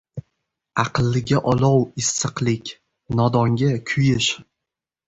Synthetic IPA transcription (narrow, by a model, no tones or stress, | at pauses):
ɑqɨlˠːɪɡʲaʔɒlɒwɪsːɨqlˠɪkʲ | nɒd̪ɒŋɡʲakʲʰʊjɪʃ